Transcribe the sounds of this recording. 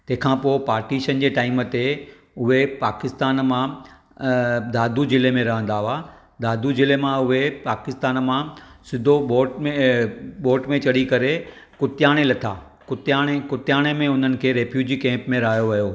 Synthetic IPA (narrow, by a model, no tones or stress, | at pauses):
t̪ɐ̃ɦɪ̃kʰãːpoːɪpaːɾʈiʃənd͡ʑeːʈaːɪmət̪e | ʊɦepaːkɪst̪aːnmã | d̪aːd̪ʱud͡ʑɪlemẽɾɐɦə̃n̆d̪aa | d̪aːd̪ʱud͡ʑɪlemãʊɦepaːkɪst̪aːnmãsɪd̪ʱoɓoːʈmẽɓoːʈmẽt͡ɕɐɽikɐɾekʊt̪jaːɽ̃elɐt̪ʰa̰ː | kʊt̪jãːekʊt̪jaːɽ̃emẽʊn̤ənɪ̆kʰeːɾeːfʰjuːd͡ʑiːkɛ̃ːmpmẽɾaɦjoʋɐjo